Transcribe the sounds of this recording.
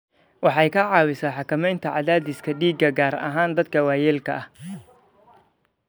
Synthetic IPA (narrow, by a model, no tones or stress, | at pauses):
wɑħɑjkʰɐʕɑːwɪsɐːħɑkʰɐmɛjnt̪ʰɐʕɑðaːd̪ɪskʰɐɖiːɡɐɡaːɾɐ̰ɦaːnd̪ɐd̪̚kʰɐwaːjɛːlkʰɐ̰ʔɐh